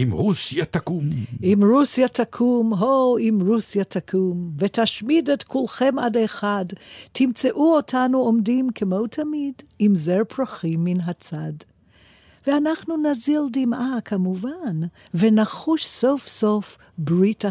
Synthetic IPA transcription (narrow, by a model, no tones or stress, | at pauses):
imʁusjat̪akumʔimɾusjatʰakʰumɦoimɾusjatʰakʰumvetaʃmidetkʰulχemadeχadtʰimt͡seʔuotʰanuomdimkʰemowtʰamidimzeɾpɾaχimːinɦat͡sad | veanaχnunazildimakʰamuvan | venaχuʃsofsof | bʁita